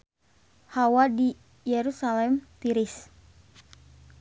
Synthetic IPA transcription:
hawadi | jɛɾusalɛmt̪iɾis

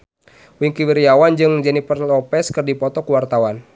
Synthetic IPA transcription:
wiŋkiwiɾijawand͡ʒɨŋd͡ʒɛnipərlɔpɛskɨrdipɔt̪ɔkuwart̪awan

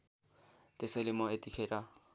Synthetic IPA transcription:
tʼɪsɪlɪmɔetʼikʰera

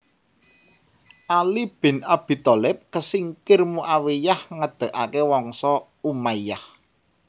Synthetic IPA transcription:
ʔalib̥ɪ̤nab̥i̤t̪ɔlɛp̚kəsiŋkɪrmuʔawejahŋəd̪̥ə̤ʔakewɔŋsɔ | umaijah

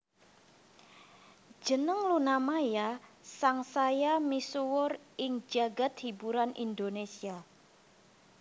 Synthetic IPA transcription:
d͡ʒənəŋlunamajasaŋsajamisuwʊrɪŋd͡ʒaɡat̪̚hibuɾanʔḭndonesia

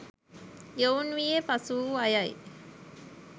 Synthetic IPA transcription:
ownʋiepɐsuːɐjɐj̰

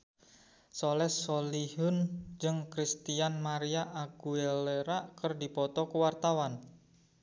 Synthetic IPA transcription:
sɔlɛsoliɦʊnd͡ʒɨŋkɾist̪ianmaɾiaʔaɡ̥ueleɾaʔkərdipɔt̪ɔkəwart̪awan

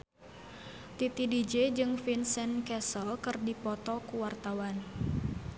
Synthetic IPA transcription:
t̪it̪idid͡ʒed͡ʒɨŋfinsɛnkɛsəlkɨrdipɔt̪ɔkuwart̪awan

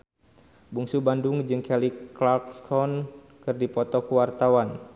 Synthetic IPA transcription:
buŋsubanduŋd͡ʒɨŋkɛliklakskʰɔn | kɨrdipɔt̪ɔkuwart̪awan

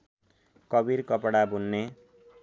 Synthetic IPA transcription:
kʌbirkʌpɽabunːe

